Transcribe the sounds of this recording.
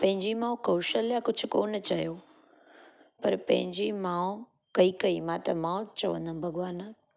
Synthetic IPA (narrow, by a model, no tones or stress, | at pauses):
pɐ̃ɦɪ̃ɲd͡ʑimãːũkɐːʃəljakʊd͡ʑʱʊkoːnt͡ɕɐjoː | pɐɾpɐ̰̃ɦɪ̃ɲd͡ʑimãː | kɐikɐimãt̪ɐmãːt͡ɕɐʋə̃nd̪ənbʱɐɡʋaːnə